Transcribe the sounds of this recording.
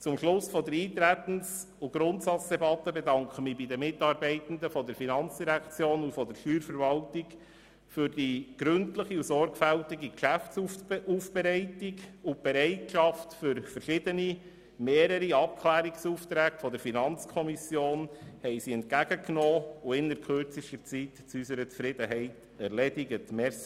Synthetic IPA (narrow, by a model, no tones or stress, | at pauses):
t͡sʊmʃlʊsfɔdəɾiːt̪ɾæt̪n̩s | uɡ̥ɾʊntsɑt͡sd̥ɛbɑt̪ːəbɛdɑŋkχəmiːbidəmɪtɑːɾbɛɪt̪ən̩d̪əfɔd̪əɾfinɑnt͡sd̥iɾækt͡sjoːnufɔdəɾʃyːɾfəɾvɑltik | fʏɾd̥iɡ̥ɾɵntləχiusɔɾɡfæltiɡikʃæftsuuːfb̥ɛɾɛɪtikub̥ɛɾɛɪtʃɑftfʏɾfəɾʃɪd̪əni | meːɾəɾiɑp̚kʰlæːɾiksuːft̪ɾæːɡfɔd̪əɾfinɑnt͡skʰɔmisjoːnhɛɪsiɛntkæɡ̥əknoːuɪnəɾkʰøɾt͡siʃtəɾt͡sit̪t͡sysəɾət͡sfɾɪd̥̪əɦɛɪt | æɾlɛdiɡətmɛs